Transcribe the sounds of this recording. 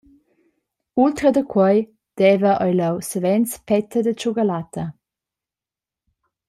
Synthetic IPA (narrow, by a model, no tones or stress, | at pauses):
ult̪ɾəd̪əkʰwɔj | d̪̥ɛvəʔɔjləwsəvɛnt͡spɛt̪əd̪ət͡ʃuɡəlat̪ʰə